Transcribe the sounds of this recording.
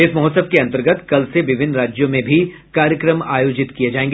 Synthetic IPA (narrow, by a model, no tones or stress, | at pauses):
ɪsmɐɦɔːt̪səbkeɐ̃nt̪əɾɡət̪kɐlseʋɪʋʱɪnːɾaːd͡ʒjõmẽbʱi | kaːɾjəkɾəma̰ːjoːd͡ʒɪt̪kijed͡ʒaːẽːŋɡe